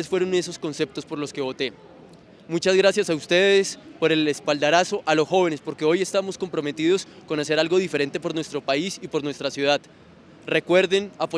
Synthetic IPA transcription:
esfwe̞ɾone̞s̬o̞skonse̞p̚t̪o̞spo̞ɾlo̞ske̞βo̞t̪e̞ | mut͡ʃazɡɾasjasaust̪e̞ðe̞spo̞ɾe̞lespald̪aɾaso̞ʔalo̞sxo̞βe̞ne̞spo̞ɾke̞o̞je̞st̪amo̞sko̞mpɾo̞me̞t̪iðo̞sko̞nase̞ɾalɡo̞ðife̞ɾe̞nt̪e̞po̞ɾnwest̪ɾo̞paisipo̞ɾnwe̞st̪ɾasjuðað | re̞kwe̞ɾðe̞napo

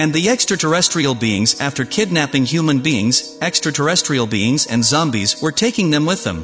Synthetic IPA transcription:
ɨ̃nðiɛkstɹ̥ɨtʰə˞ɛstɹ̥il̩ˠbiɪ̰̃ŋzæftə˞kʰɪdⁿnæpɪ̃ŋhjʉmɨ̃nbiɪ̰̃ŋz | ɛkstɹ̥ɨtʰə˞ɛstɹ̥il̩ˠbiɪ̃ŋzɨ̰̃nzʌ̃mbḭzwə˞tʰeɪkɪ̃ŋðɨ̃mwɪðə̰̃m

